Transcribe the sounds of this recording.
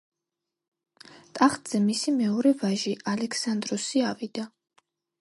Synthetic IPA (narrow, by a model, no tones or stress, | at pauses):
t̪ʼaχt̪ʼz̥ɛmisimɛɔɾɛvaʒiʔalɛkʰsand̪ɾɔsiavid̪̥a